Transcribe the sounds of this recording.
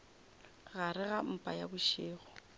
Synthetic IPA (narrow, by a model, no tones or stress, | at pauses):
ɣaɾɪɣam̩pʼajabʊʃɪːɣɔ